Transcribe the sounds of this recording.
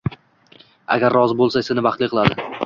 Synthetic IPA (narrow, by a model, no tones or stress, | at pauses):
a̰ɡʲaɾːɒzbolˠsasɪnɪbɑχt̪lˠiqʰɨlad̪ɪ